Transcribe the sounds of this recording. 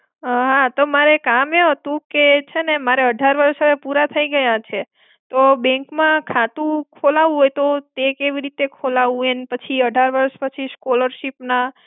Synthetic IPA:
ɦat̪omaɾekameɦət̪ũket͡ʃʰenemaɾeəɖʱaɾʋəɾʃɦəʋepuɾat̪ʰəiɡəjat͡ʃʰe | t̪obɛ̃ŋkmãkʰat̪ũkʰolaʋũɦojt̪ot̪ekeʋiɾit̪ekʰolaʋũenpət͡ʃʰiəɖʱaɾʋəɾʃpət͡ʃʰiskoləɾʃipna

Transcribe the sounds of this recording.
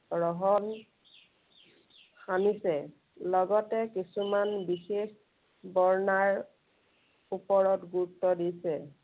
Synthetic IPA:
ɹɔɦɔn | xanisɛ | lɔɡɔtɛkisumanbixex | bɔɹnaɹ | upɔɹɔtɡutːɔdisɛ

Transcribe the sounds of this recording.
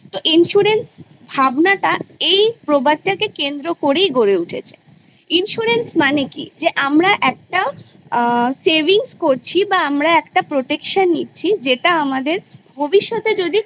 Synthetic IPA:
t̪oʔinʃuɾens | bʱabnaʈaejpɾobad̚ʈakekend̪ɾokoɾejɡoɾeuʈʰḛt͡ɕʰe | inʃuɾensmanekḭd͡ʑeʔamɾaʔɛk̚ʈa | sebiŋskoɾt͡ɕʰibaamɾaɛkʈapɾoʈekʃanːḭtːt͡ɕʰid͡ʑeʈaamad̪eɾbʱobiʃːot̪ed͡ʑod̪i

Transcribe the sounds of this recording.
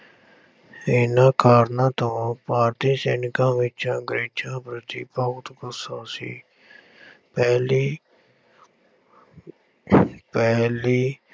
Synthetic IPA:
ɪnãːkaːɾnãːt̪õːpaːɾt̪iːseːnɪkãːʋɪt͡ʃãːɡɾeːt͡ʃãːpɾət̪iːpəʊt̪kʊsãːsḭː | pɛːliː | pɛːliː

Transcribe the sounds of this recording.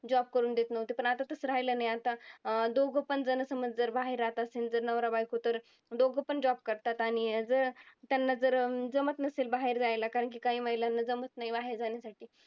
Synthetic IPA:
d͡ʑɔb̚kəɾuːnd̪et̪nəʋt̪ipəɳat̪at̪əsɾajlənajat̪ad̪oɡʱəpənd͡zənəsəməd͡zd͡zəɾbaɦiɾat̪asend͡zəɾnəʋɾabajkot̪əɾ | d̪oɡʱəpəɳd͡ʑɔb̚kəɾt̪at̪aɽ̃id͡zəɾt̪janːad͡zəɾd͡zəmət̪nəselbaɦeɾd͡zajlakaɾəɳk̬iːkaɦiːməjlanːad͡zəmət̪naibaɦeɾd͡zaɳjasaʈʰiː

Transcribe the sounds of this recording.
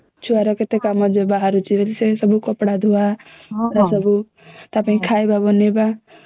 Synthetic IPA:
t͡ʃʰuaɾɔket̪ekamɔd͡ʒebaɦaɾut͡ʃʰiʋelsesɔbukɔpɽad̪ʱua | ɾasɔbu | t̪apaĩkʰajbabɔneba

